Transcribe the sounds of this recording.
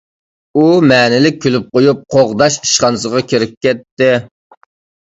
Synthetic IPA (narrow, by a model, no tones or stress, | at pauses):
umɛːnɪlɪk̚ʲʰːylyp̚qojup̚qʰoʁd̪ɑʃi̥ʃχɑnɨsəʁɑkʲʰeɾɪp̚kʲʰɛt̪ːɪ